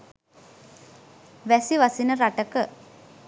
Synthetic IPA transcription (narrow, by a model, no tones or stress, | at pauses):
ʋæsiʋasinəɾaʈəkə